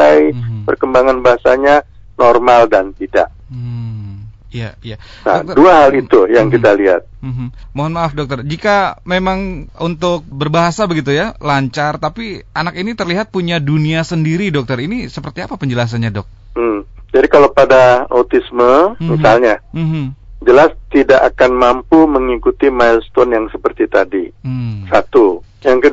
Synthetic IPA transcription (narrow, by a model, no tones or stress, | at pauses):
ajpərkəmbaŋanbaɦasaɲa | nɔrmaldant̪ida̰ʔ | ijaija | na̰duaɦalit̪ujaŋkit̪aliɦa̰t̪̚m̩ɦmmoɦɔnmaːfdɔk̚t̪ərd͡ʒikamemaŋunt̪ʊk̚bərbaɦasabəɡit̪̬ujalaɲt͡ʃart̪apianakinit̪ərliɦat̪̚puɲaduniasəndiɾidɔk̚t̪ərinisəpərt̪iapapəɲd͡ʒəlas̬anɲadɔk̚ː | d͡ʒadikalopadaat̪isməmisalɲam̩ɦm̩d͡ʒəlast̪idaʔakanmampuməŋikut̪imajlst̪ɔnjaŋsəpərt̪it̪adim̩sat̪u | jaŋkə